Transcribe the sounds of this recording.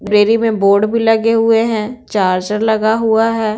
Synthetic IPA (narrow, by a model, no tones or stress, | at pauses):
ɾeːɾimẽboːɾɖbʱilɐɡeɦʊeɦɛ̃t͡ʃaːɾd͡ʒəɾləɡaɦʊaɦɛː